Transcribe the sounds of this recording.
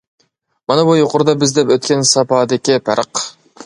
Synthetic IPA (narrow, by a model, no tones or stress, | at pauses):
mɑnɑbujoqʊɾd̪ɑbɪzd̪ɛpøt̪̚kʲɛnsɑpɑd̪ɪkʲɪpʰæɾəq